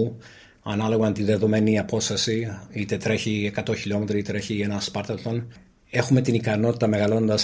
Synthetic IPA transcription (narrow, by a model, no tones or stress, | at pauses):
u | ɐnɐlo̞ɣɐnt̪iðe̞ðome̞niɐpo̞st̪ɐsiit̪e̞t̪ɾe̞çiekɐt̪o̞çilo̞me̞t̪ɾiit̪ɾe̞çienɐspɐɾt̪ɐlt̪on | e̞xume̞t̪inikɐno̞t̪i̥t̪ɐme̞ɣɐlo̞nd̪ɐs